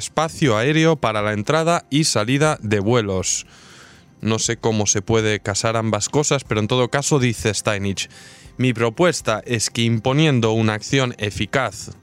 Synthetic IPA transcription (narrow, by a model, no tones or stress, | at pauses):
spaθjoae̞ɾeo̞paɾalaent̪ɾað̞aisaliðaðe̞β̞we̞lo̞s | no̞se̞ko̞mo̞se̞pwe̞ð̞e̞kasaɾambasko̞saspe̞ɾont̪o̞ð̞o̞kaso̞ðiθest̪ajnit͡ʃmipɾo̞pwe̞st̪aʔe̞skeimpo̞njẽ̞nd̪o̞unaːkθjo̞ne̞fikaθ